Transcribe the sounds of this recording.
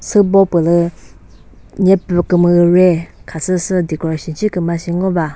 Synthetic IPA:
sɨbɔpɨlɨ | ɲɛpɨkɨmɨɨɾɛkʰasʰɨsɨd̪ikɔɕit͡ʃʰikɨmaɕiŋɔba

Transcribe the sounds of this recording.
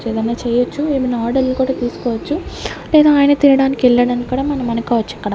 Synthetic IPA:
eːd̪ɐnaːt͡ʃɛːjɐt͡ʃːueːminaaːɾɖɐlnikuːɽaːt̪iːsu̥kɔːʋɐt͡ʃːulɛːd̪aːaːjɐnɐt̪iɾɐɽaːnikɛɭːɐɽaːnikːuːɽaːmɐnɐmɐnɐkaːʋɐt͡ʃːuɐkːɐɽɐ

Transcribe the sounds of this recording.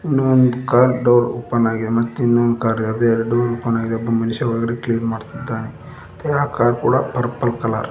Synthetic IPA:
inːuond̪kaːɾɖɐwɾuːpɐnaːɡid̪emɐt̪ːeinːuond̪kaːɾɐd̪eɾɖɐwɾuːpɐnaːɡid̪eɐbːɐmɐniʃɐʋɐɡɐɽekliːnmaːɖt̪id̪ːaːni | t̪eɦaːkaːɾkuːɽɐpɐɾpɐlkɐla̰ːɾ

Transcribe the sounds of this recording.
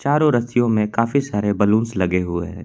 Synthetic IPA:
t͡ʃaːɾõɾɐsijõmẽkaːfisaːɾebɐlũːnslɐɡeɦʊḛɦː

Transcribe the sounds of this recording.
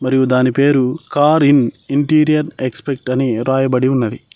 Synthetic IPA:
mɐɾijud̪aːnipe̞ːɾukaːɾiniɳʈiːɾijɐɾekspek̚ʈɐniɾaːjɐbɐɽiunːɐd̪i

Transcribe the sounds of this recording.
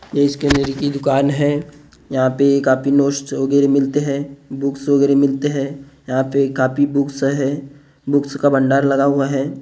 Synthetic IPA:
jeɪskeənəɾikid̪ʊkaːnɦɛː | jɐɦãpekaːpinoːʃʈ̪ʋəɡɛːɾemɪlt̪eɦɛ̃bʊksʋəɡɛːɾemɪlt̪eɦɛ̃jɐɦãpekaːpibʊksɦɛ | bʊkskabɐ̃ɳɖaːɾlɐɡaɦuaɦɛː

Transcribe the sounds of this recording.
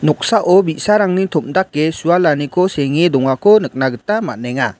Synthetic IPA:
nɔk̚saʔɔbisaɾaŋnitʰɔmdak̚ːesualanikʰɔseŋidɔŋakʰɔnɯk̚naɡɯtamaneŋa

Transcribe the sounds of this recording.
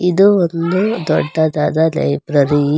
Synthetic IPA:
id̪uond̪ud̪ɔ̰ɖːɐd̪aːd̪ɐlɐ̰jbɾɐɾi

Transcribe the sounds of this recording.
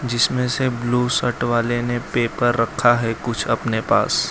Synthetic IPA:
d͡ʒɪsmẽsebluːsɐʈʋaːlenepeːpɐɾːɐkʰːaɦɛkʊt͡ʃʰɐpnepa̰ːs

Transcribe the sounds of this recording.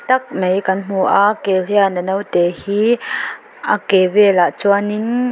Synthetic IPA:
t̪ɐk̚mejkɐnm̥uʔakeliɐnɐnowt̪ɛːhiː | ʔakeːvɛːlaʔt͡suanɪn

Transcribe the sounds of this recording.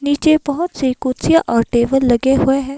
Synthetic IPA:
niːt͡ʃebɐɦʊt̪sikuːt̪sijaʔɔːɾʈeːbəlːɐɡeɦʊeɦɛ̃ː

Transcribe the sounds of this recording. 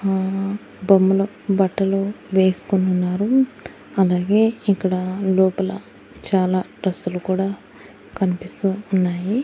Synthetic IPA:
bɐmːɐloːbɐʈːɐloːʋe̞ːsu̥kunːunːaːɾu | ɐlaːɡe̞ːikːɐɽɐlɔːpɐlɐ̰ | t͡ʃaːlaːɖɾɐsːulukuːɽaː | kɐnipist̪uːnːaːji

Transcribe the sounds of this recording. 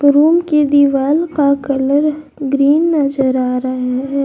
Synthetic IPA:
ɡɾuːmked̪iʋaːlkakɐləɾ | ɡɾiːnːɐzəɾaːɾaɦɛɦɛː

